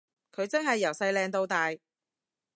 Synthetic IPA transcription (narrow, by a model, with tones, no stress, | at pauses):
kʰɵ˨˧ɥt͡sɐ˥ŋɦɐ˨jːɐ˨˩wsɐ˧jlɛː˧ŋt̪o˧wt̪aː˨j